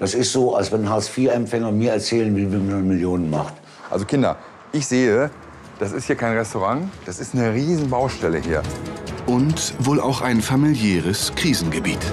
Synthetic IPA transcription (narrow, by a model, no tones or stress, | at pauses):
d̥asɪstz̥oːalsvɛnɦaːsfiːɐɛmfɛŋɐmiːɐɛɐt͡sɛːlənvɪlvimannmɪljoːnənma̰χt | ʔa̰lzokʰɪndɐ̰ | ʔɪçz̥eːə | d̥asɪsthiːɐkʰaɪnʁɛstoʁaŋd̥asɪstnəʁiːzn̩baʊʃtɛləhiːɐʔʊntvoːlʔa̰ʊxʔaɪnfamiljɛːʁəskʁ̥iːzn̩ɡəbḭːt